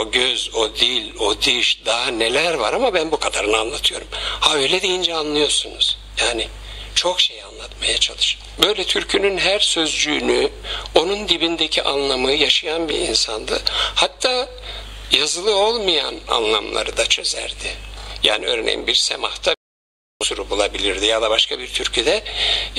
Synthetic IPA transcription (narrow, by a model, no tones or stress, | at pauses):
oɟøzo̞d̪ilʲo̞d̪ɯʃd̪aɦane̞lʲæɾvaɾamabænbukʰad̪aɾɯnɯanlˠat̪ʰɯjo̞̰ɾumhaøjlʲɛd̪ijind͡ʒɛanlˠɯjo̞ɾsunuz̥jaːni | t͡ʃʰo̞kʃejanlˠat̪majat͡ʃʰalˠɯʃɯ̥ | bø̞jlʲɛt̪ʰyɾcʰynynɦæɾsø̞zd͡ʒyːnyo̞nund̪ibind̪ecʰiʔanlˠamɯjaʃajanbḭɾḭnsand̪ɯhat̪ʰːaː | jazɯlˠɯo̞lˠmɯja̰na̰nlˠa̰mlˠa̰ɾɯd̪at͡ʃʰø̞zæ̰ɾd̪̥ɪja̰ːniøːɾnḛjḭmbiɾsemaht̪ʰa | suɾubulˠabilʲiɾd̪ijad̪abaʃkabiɾt̪ʰyɾcʰyd̪ɛ